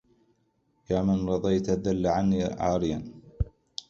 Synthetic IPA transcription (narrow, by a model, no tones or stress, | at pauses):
jaːmanɾˤɑd̪ˤɑjt̪ðalːaʕanːiːʕa̰ːɾɪjan